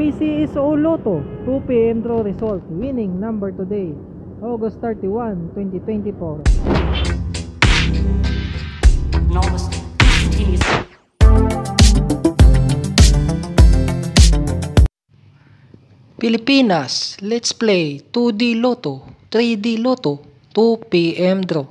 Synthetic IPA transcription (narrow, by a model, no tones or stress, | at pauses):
isiɛsoloːt̪ot̪upiɛnd̪ɾoɾɛsolt̪̚winɪ̃ŋnãmbɛɹt̪ʊd̪ej | ʔoɡɐst̪ɛɹt̪iwant̪wɛnt̪it̪wɛ̃nt̪ɪfoɾ | noɡs | iis | pɪlɪpiːnɐslɛt̪splejt̪ud̪ilot̪ot̪ɾid̪iloːt̪o | t̪upiʔɛmd̪ɾo